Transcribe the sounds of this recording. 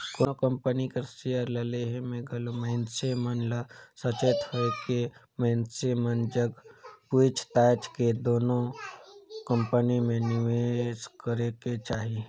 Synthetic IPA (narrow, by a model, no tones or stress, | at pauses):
kokə̃mpənikeɾsijəɾləleɦmẽɡɐlomeɪnsemənləsət͡ʃeːt̪həke | mẽnsemənd͡ʒəɡpuɪt͡ʃʰt̪aːt͡ʃked̪oːnõ | kə̃mpənimẽnɪʋeskəɾeket͡ʃaːɦi